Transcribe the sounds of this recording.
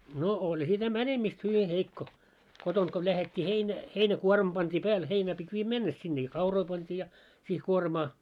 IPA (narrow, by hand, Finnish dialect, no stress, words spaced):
no olʲ sitæ mænemist hyʋi heikːo kotont ko læhetʲːi heinæ heinækuormɑ̆ pɑntʲiː pæːl heinæː pitʲ ʋiːjæ mɛnːes sinːe jɑ kɑuroi pɑntʲiː jɑ siːh kuormɑː